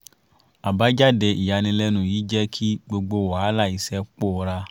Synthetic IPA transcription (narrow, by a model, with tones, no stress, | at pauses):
a˨ba˨˦d͡ʒa˦˨dɛ˧i˨ja˨nĩ˧lɛ˧nũ˨jiː˨˦d͡ʒɛ˦kʰi˦ɡ͡bo˧ɡ͡bo˧˨wa˨˦la˦˨i˨˦sɛ˦k͡po˦˨˧ɾa˧